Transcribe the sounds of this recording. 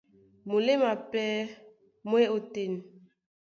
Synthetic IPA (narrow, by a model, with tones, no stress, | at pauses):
mu˨le˦ma˨pɛ˦ | mwe˦o˨te˨n